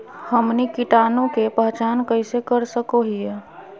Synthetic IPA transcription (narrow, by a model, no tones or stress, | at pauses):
həmnikiʈaːnõkepəɦt͡ʃaːnkəɪsekəɾsəkoɦije